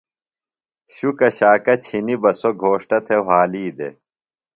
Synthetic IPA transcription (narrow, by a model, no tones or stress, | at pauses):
ɕukɐɕaːkɐt͡ɕʰinibɐsoɡʱoːʂʈɐt̪ʰewaːliːd̪ḛ